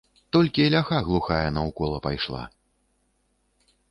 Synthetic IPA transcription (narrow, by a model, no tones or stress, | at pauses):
t̪ɔlʲkʲiɐlʲaxaɣlˠuxajɛnɐwkɔlˠɐpajʂlˠa̰